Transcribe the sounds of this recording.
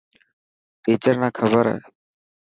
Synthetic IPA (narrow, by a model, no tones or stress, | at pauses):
piːt͡ʃəɾnaːkʰəbəɾa̰ːe